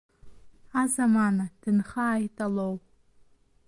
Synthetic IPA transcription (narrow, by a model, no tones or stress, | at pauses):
azamanad̥ɨnχaːjtʼalow